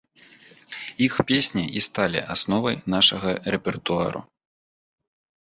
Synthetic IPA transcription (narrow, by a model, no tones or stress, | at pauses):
ixpʲesʲnʲiʔist̪alʲḭʔasnɔvɐjnaʂɐɣɐrɛpʲɛrt̪ua̰ɾṵ